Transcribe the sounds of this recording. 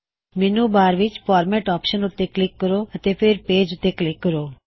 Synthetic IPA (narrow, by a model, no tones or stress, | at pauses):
minubaːɾʋit͡ʃfɔːɾmeʈɔpʃənut̪ːeklɪkːəɾoət̪efeɾpeːd͡ʒʊt̪ːeklɪkːəɾoː